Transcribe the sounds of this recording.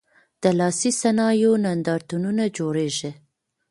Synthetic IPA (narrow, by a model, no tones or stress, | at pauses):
d̪̥əlɑsisanɑjonand̪ɑɾt̪ununad͡ʒoɽeʒe